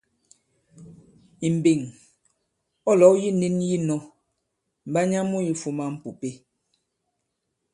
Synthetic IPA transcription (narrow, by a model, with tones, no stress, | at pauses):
i˨m̩˨bi˨ŋ | ɔ˦lɔ˨˦ji˦ni˦nji˦nɔ˦ | m̩˨ba˦ɲa˦mu˦ji˦fu˦ma˦m̩˦pu˨pe˦